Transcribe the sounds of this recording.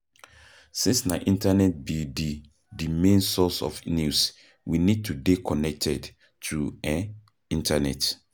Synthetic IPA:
sĩnsnaʔĩntanɛt̚bidi | dimẽnsɔsɔ̰fnus | winid̚tʰudekʰɔnɛk̚tʰɛd | tʰuɛ | ĩntanɛ̰t

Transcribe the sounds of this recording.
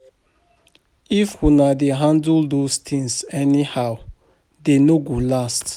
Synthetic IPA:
ifhunadeɦãndldost̪ʰĩŋsɛnihaw | denoɡolast

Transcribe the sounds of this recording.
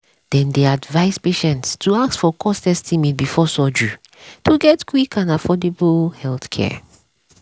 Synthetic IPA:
d̥ɛ̃ndeadvaɪspeʃɛ̃ntstʰuaksfɔkʰɔstɛstʰimit̚bifɔsɔd͡ʒu | tʰuɡɛtkwikʰãnafɔdeblhɛlθkʰɛ̰

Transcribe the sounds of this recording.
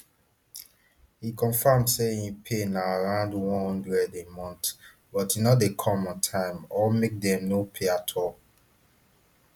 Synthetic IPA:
hikɔ̃nfamseĩpʰenaaɹãʊ̃ndwɔ̃nhɔ̃ndɹɛdẽmɔ̃nt | bɔtinɔdekʰɔmɔ̃ntʰãɪ̃mɔmek̚dɛ̃mnopʰeatʰɔl

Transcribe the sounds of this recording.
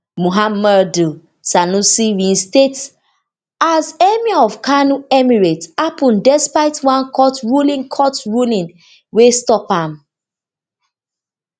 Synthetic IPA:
muɦamadu | sanusiwĩnstet | azɛmiaɔv̥kʰanuɛmiɹetapʰũndɛspaɪtwãnkʰɔtɹulĩŋkʰɔtɹulĩn | westɔpãm

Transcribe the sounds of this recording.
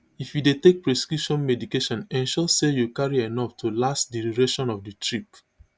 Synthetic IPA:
ifjudetek̚pɹɛskuʃɔ̃nmɛdikeʃɔ̃nɛ̃nʃɔsejukaɹiɛnɔftʰulastdiɾiɹeʃɔ̃nɔfditʰɹik

